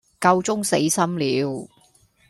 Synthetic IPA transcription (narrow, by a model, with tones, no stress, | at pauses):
kɐ˧wt͡sʊ˥ŋse˨˥jsɐ˥mliː˨˧w